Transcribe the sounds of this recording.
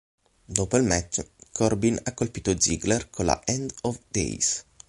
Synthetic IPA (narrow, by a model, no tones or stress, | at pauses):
d̪oːpoilmɛt͡ʃːkʰɔrbinakːolpiːt̪od̪zḭɡlɛrkʰola̰ʔɛnd̪ɔvd̪ḛjs